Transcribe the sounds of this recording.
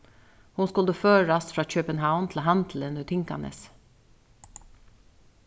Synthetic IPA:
hʊnskʊld̪əføːɾɾɑsfɾɑːc͡çøːpənhaʊnt̪ʰl̩ɦɑnt̪ʰl̩ɛnʉt̪ʰɪŋkɑ̰nə̰s

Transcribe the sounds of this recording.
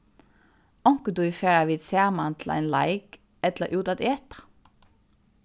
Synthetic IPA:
ɔŋkəd̪uːiːfeːɹɑʋiːd̪sæːmɑnt̪ʰl̩æ̰ɪnlɑɪk | ɛt̪ləʔʉːt̪ɑt̪eːt̪ɑ̥

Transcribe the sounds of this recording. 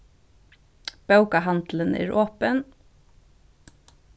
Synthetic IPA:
b̥œwkaɦɑnt̪lənɛ̰ːɾoːpən

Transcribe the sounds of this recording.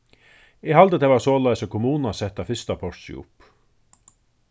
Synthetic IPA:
ɪhalt̪ət̪ʰɛvaɾsoːlajsəkʰɔmuːnasɛht̪afɪst̪apʰɔrsɪ̰ʊ̰p

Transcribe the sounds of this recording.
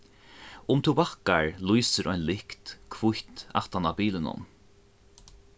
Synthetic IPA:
ʊmt̪ʰubahkaɹlujsɪɾʔɔjnlɪkt̪kʰvʊçt̪a̰ht̪anabiːlɪnʊ̰n

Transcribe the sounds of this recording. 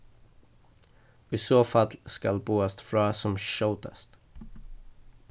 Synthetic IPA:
isoːfɑlskɑlbuːast̪fɾɑːsɔmʃaʊt̪ʰə̰st̪

